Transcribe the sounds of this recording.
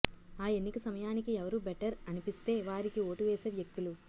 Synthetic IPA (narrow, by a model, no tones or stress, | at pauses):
aːe̞nːikɐsɐmɐjaːnikiɛʋɐɾuːbɛʈɐɾɐnipist̪e̞ːʋaːɾikioːʈuʋeːseːʋjɐk̚t̪ulu